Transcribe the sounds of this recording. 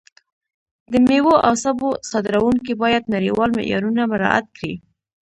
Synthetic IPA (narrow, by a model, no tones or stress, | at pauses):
d̪əmewoʔawsabosɑd̪ɪɾawuŋkibɑjad̪naɾiwɑlmɪ̰ʔjɑ̰ɾunamɪɾɑ̰ʔa̰t̪̚kɽḭ